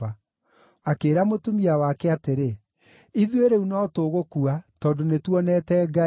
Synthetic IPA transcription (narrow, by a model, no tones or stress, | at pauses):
a | akeːɾamotumiawakɛateɾe | iðweɾeunɔtoːɣokuatɔːndonetwɔnɛtɛːɡa